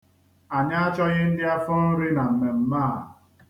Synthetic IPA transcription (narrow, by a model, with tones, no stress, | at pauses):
a˨ɲa˦a˦t͡ʃɔ˦ɣɪ˦n̩˦dɪ˦a˦fɔ˦n̩˦ɾɪ˦na˨m̩˨me˨m̩˦maː˦˨